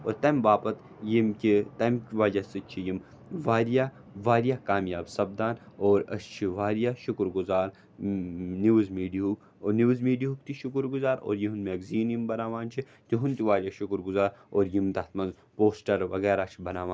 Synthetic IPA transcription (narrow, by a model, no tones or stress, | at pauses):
oːɾt̪ɐmbaːpɐt̪ | jimkʲit̪ɐmkʲʋaːd͡ʒasɨt͡ʃʰijim | ʋaːɾija | ʋaːɾjakaːmjaːbsɐbd̪aːnoːɾɐ̰st͡ʃʰiʋaːɾijaːʃʊkɾɡʊzaːɾ | niʋzmiːɖiɦuk | oːniʋzmiːɖiɦuk̚t̪iʃʊkʊɾɡʊzaːɾo̰ːɾjiɦunmeːɡziːnjimbɐnaːʋaːnt͡ʃʰi | t̪iɦunt̪iʋaːɾijaʃʊkɾɡʊzaːɾoːɾjimt̪ɐt̪mɐnz | poːsʈɐɾʋɐ̰ɣeːɾaːt͡ʃʰibɐnaːʋaːn